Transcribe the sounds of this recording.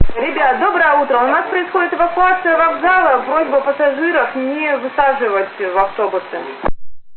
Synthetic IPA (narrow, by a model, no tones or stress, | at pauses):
ɾʲɪbʲat̪d̪o̞bɾəjəut̪ɾəʊnaspɾəɪsxo̞dʲɪt̪ɨvəkʊat̪sɨjəvɐɡzalˠəvɾo̞zʲbɨpəsɐʐɨɾəfnʲɪvɨsaʐɨvətʲvɐft̪o̞bʊsɨ